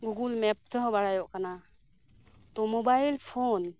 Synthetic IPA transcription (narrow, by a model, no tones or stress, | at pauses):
ɡuɡulmɛp̚t̪ʰɔɦɔ̃baɽajɔʔkana | t̪ɔmɔbajlpʰon